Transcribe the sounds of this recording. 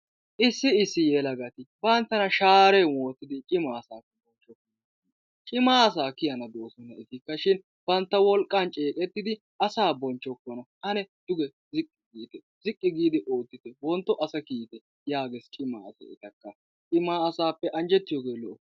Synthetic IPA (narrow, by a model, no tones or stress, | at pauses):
ʔɪsːɪɪsːɪjɛlɐɡɐt̪ɪbɐnt̪ːɐnɐʃaːɾɛwo̞ːt̪ːɪd̪ɪt͡ʃʼɪmaːɐsaːkːɐbɔnt͡ʃːɔkːɔn | t͡ʃʼɪmaːɐs̬aːkɪjɐnɐd̪oːsɔnɐɪt̪ɪkːɐʃɪn | b̥ɐnt̪ːɐwɔlkʼːant͡ʃʼeːkʼɛt̪ːɪd̪ɪ | ɐsaːbɔnt͡ʃːɔkːɔnɐʔɐnɛd̪̥ʊɡɛ | zɪkʼːɪ̥ɡiːt̪ɛ | zɪkʼːɪɡiːd̪ɪʔo̞ːt̪ːɪt̪ɛwɔnt̪ːɔʔɐsɐkiːt̪ɛ | jaːɡɛst͡ʃʼɪmːa̰ːɐsɐ̰ɪ̰t̪ɐkːɐ | t͡ʃʼɪmaːɐsaːpːɛʔɐnd͡ʒɛt̪ːɪjɔɡe̞ːlɔʔɔ